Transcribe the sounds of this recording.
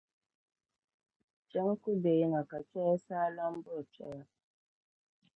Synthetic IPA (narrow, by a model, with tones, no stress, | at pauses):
t͡ʃɛ˦ŋ˦ku˦de˨ji˦ŋa˨ka˨t͡ʃɛ˦ja˦sa˦la˦m˦bə˦a˨t͡ʃɛ̰˦ja˦